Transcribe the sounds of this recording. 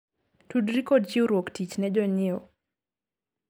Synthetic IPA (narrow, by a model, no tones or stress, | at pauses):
tudɾikɔdd͡ʒiuɾwoktit͡ʃnɛd͡ʒɔɲɪɔ